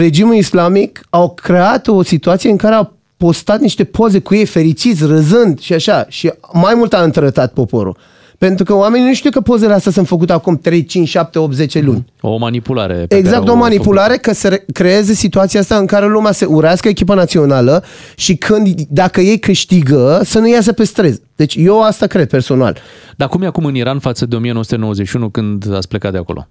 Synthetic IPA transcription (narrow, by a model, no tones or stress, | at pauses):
re̞d͡ʒimulislamikawkʰɾe̞at̪o̞sit̪uat̪sijeɨŋkaɾe̞aw | po̞st̪at̪niʃt̪e̞pʰo̞ze̞kuje̞jfe̞ɾit͡ʃit̪sʲrəzɨnd̪ʃiaʃaʃimajmult̪aɨnt̪əɾət̪at̪̚po̞po̞̰ɾṵl | pe̞nt̪ɾukəoame̞ninuʃt̪ujkəpo̞ze̞least̪as̬unt̪fək̬ut̪eakumt̪ɾe̞jt͡ʃint͡ʃʃap̚t̪e̞op̚t̪ze̞t͡ʃe̞lṵnʲo̰manipula̰ɾḛeɡzakt̪omanipulaɾe̞kəseɾekɾe̞ezesit̪uat̪siaast̪aɨŋkaɾe̞lumeaseʔuɾaskəekʲipənat̪sio̞nalə | ʃikʰɨnd̪d̪akəje̞jkɨʃt̪iɡəsənujas̬əpe̞st̪ɾe̞zd̪̥e̞t͡ʃʲje̞ast̪akɾe̞d̪̚perso̞na̰l | d̪aakumjeakumɨniɾanfat̪səd̪eo̞mijenoəsut̪enowəzet͡ʃʃiunukɨnd̪a̰tsʲplekat̪d̪eako̞̰ʔo̰